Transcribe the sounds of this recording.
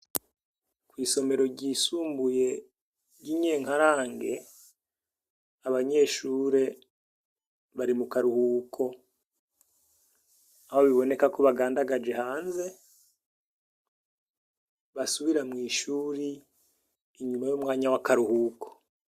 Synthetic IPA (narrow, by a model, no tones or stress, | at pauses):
kwiːso̞me̞ɾo̞ɟiːsuːmbuje̞ | ɟiɲe̞ːŋhaɾaːŋɡe̞̰ | aβaɲe̞ːʃuːɾe̞ | βaɾimukaɾuhuːkʰo̞ | ahoβiβo̞ne̞kakoβaɡaːndaɡad͡ʒe̞haːnze̞ | βasuβiɾamŋiːʃuːɾiː | ɲumajomŋaːɲawakaɾuhuːko̥